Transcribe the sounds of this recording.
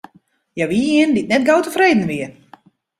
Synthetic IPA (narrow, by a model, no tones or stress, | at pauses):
jaʋiːɪəndit̚nɛtɡoːtəfreːdn̩ʋiə